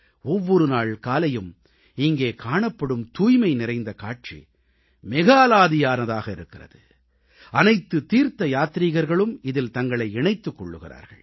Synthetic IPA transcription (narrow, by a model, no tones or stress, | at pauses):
ɔʋːɔɾɯnaːɭkaːlɐjɯm | ɪŋɡeːkaːɳɐpːɐɽɯmt̪uːjmɐɪnɪɾɐɪnd̪ɐkaːʈt͡ʃḭ | mɪɣaːlaːðɪjaːnɐðaːɣɐɪɾɯkːɪrɐ̰ðɯ | ɐnɐɪt̪ːɯt̪iːɾt̪ɐjaːt̪ɾiɣɐɾɣɐɭɯmɪðɪlt̪ɐŋɡɐɭɐɪɛɳɐɪt̪ːɯkːɔɭːɯɣɪra̰ːɾɣɐ̰ɭ